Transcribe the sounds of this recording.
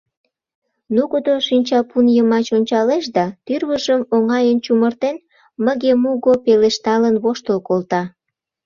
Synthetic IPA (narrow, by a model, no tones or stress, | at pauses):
nuɣud̪oʃinʲt͡ɕɑpunjəmɑt͡ɕonʲt͡ɕɑleʃd̪ɑt̪yrβəʒəmoŋɑjənt͡ɕumərt̪en | məɣemuɣopeleʃt̪ɑlənβoʃt̪əlkolt̪ɑ